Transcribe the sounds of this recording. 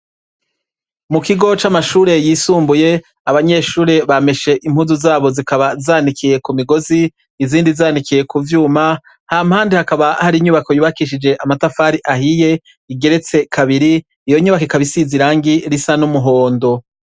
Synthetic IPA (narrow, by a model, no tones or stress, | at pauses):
mukiɡo̞t͡ʃamaʃuːɾe̞jiːsuːmbuje̞ | aβaɲe̞ʃuːɾe̞βame̞ʃe̞ʔimhuzuzaːβo̞zikaβazaːndikʰije̞kumiɡo̞ziː | ziːndizaːndikije̞kuvjuːma | haːmhaːndihakaβahaɾiɲuβako̞juβakiʃ̬id͡ʒe̞ʔamatafaːɾiʔahije̞ | iɡe̞ɾe̞t͡se̞kʰaβiɾiː | jo̞ɲuβakikaβisiziɾaːŋɡiɾisanumuɦo̞ːndo̞